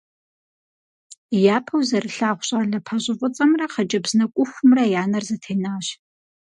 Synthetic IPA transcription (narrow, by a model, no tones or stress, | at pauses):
jaːpʰɐwzɐrɨɬaːχʷʊɕʼaːɮɐpʰɐɕʼɪfʷʼʊt͡sʼɐmrɐχɐt͡ʃʼɐbz̥nɐkʷʼʊxʷʊmrɐjaːnɐrzɐtʰeːnaːɕ